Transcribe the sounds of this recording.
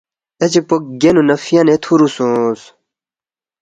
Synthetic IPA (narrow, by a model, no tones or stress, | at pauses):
et͡ɕepok̚ɡenunɐfijanet̪ʰuɾusõːs